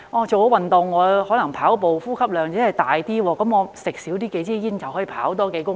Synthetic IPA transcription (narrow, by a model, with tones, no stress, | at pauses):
ʔɔː˨˧t͡so˨wwɐ˨˩nt̪ʊ˨ŋːɔː˨˧hɔː˨˥lɐ˨˩ŋpʰaː˨˥wpo˨wfuː˥kʰɐ˥p̚lœː˨˧ŋt͡sɛː˨˥hɐ˨jt̪aː˨jt̪iː˥wɔː˧kɐ˨˥mŋɔː˨˧sɪ˨˩k̚siː˨˥wt̪iː˥ke˨˥jt͡siː˥jiː˥nt͡sɐ˨˩whɔː˨˥jpʰa̰ː˨˥wt̪̬ɔː˥ke˨˥jkʊ˥